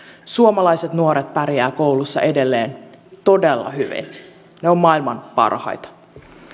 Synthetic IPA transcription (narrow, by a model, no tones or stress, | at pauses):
suomɑlɑjset̪nuo̞ɾet̪̚pæɾjæːko̞wlusːɑ̰ʔe̞de̞lːe̞ːnt̪o̞delːɑ̰ɦyʋḭn | neo̞mːɑilmɑnpɑ̰rhɑ̰jt̪ɑ̥